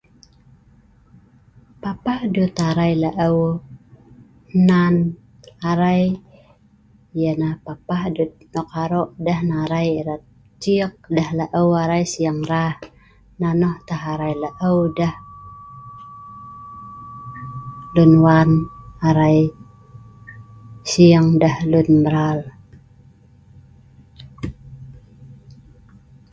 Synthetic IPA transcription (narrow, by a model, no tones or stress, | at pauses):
papahdut̪aɾajlaʔəw | nan | aɾaj | janahpapahdut̪̚nɔkaɾɔʔdahnaɾajiɾat̪̚ | t͡ʃiək̚dahlaʔəwaɾajsijaŋɾah | nanɔht̪aɦaɾajlaʔəwdah | lunwanaɾai | siəŋdəhlunbəɾal